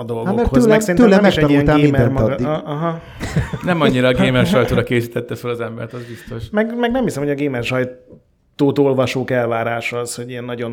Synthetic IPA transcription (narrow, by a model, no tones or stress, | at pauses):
ɒd̪o̞loɡoɛkhoøzlɛsɛɾinːmlɛmɛʃɛiɛŋt̪ɡeːmɛmɒɦɒ | nɛmɒɲːiɾɒːɡeːmɛrʃɒjt̪oːɾɒkeːsiːt̪ɛt̪ːɛfølɒzɛmbɛ̰ɾt̪ɒzbist̪o̞ʃmɛɡmɛɡnɛmhisɛmhoɟɒɡeːmɛrʃɒj | t̪oːt̪o̞lvɒʃoːkɛlvaːɾaːʃɒzho̞ɟiɛnːɒɟo̞n